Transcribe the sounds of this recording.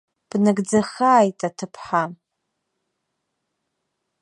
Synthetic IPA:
b̥naɡd͡zaχaːjtʼatʰɨpʰħa

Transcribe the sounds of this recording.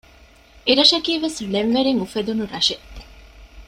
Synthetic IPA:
eɾɐʃɐkiːʋesleɱʋeɾiŋufed̪unuɾɐʃe

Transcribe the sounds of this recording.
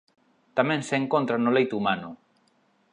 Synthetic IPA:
t̪amẽnseŋkont̪ɾanolejt̪umanʊ

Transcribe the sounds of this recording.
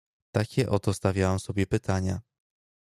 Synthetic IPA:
t̪akʲɛʔɔt̪ɔst̪avʲjawamsɔbʲjɛpɘt̪aɲa

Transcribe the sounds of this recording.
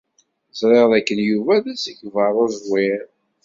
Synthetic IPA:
zˤɾˤeʁðækːənjuvæðæsæçvəɾˤozwɪɾ

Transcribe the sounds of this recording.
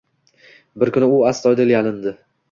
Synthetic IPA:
bɪɾkʰʲʊnɪʊast̪ɒjd̪ɪljalɪnd̪ɪ

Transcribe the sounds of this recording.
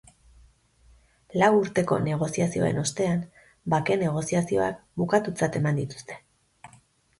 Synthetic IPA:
lawuɾt̪e̞ko̞̰ne̞ɣ̞o̞siasio̞̰e̞̰no̞st̪e̞an | bake̞ne̞ɣ̞o̞siasio̞̰a̰kbukat̪ut͡sat̪e̞mand̪it̪u̥st̪e̞

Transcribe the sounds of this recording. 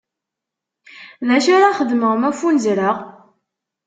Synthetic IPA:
ðæʃaɾaχəd̪məʁmæfunzɾəʁ

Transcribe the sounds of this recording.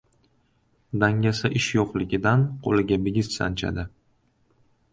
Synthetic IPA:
d̪aŋʲasaʔɪʃjɒqlɪɡʲɪd̪anqʰo̰lɪɡʲabɪɡʲɪssa̰nt͡ʃʰa̰d̪ɪ

